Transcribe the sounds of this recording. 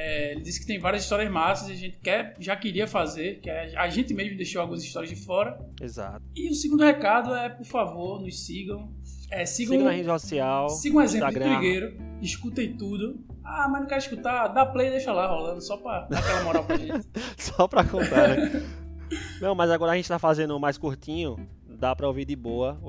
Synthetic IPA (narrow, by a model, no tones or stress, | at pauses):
ɛelɪd̪isɪ̥kɪ̥t̪ẽj̃vaɾijɐziʃt̪ɔɾiɐzmasɐziaʒẽnt̪ɪ̥kɛɾʒakɪɾiɐfazeɾkɪɛaʒẽnt̪ɪmeʒmʊd̪eʃowawɡũɐziʃt̪ɔɾijɐzd̪ɪfɔɾɐḛza̰t̪ʊɪʊsiɡũd̪ʊhekad̪ʊɛpoɾfavoɾnʊssiɡɐ̃w̃ | ɛsiɡɐ̃ɐ̃hed͡ʒsɔsiawsiɡɐ̃ũezẽlɾt̪ɾiɡejɾʊ | iʃkut̪ejt̪ud̪ʊ | amɐ̃nũkɛɾiʃkut̪ad̪aplejd̪eʃɐlaɦɔlɐ̃nd̪ʊsɔpɾɐakɛlɐmɔɾawkʒẽɪsɔpɾɐkõt̪a | nɐ̃w̃mɐjzaɡɔɾɐʒẽt̪ɪt̪afazẽnd̪ʊmajskuɾt̪ĩɲʊ | d̪apɾɐoviɾd̪ɪboɐ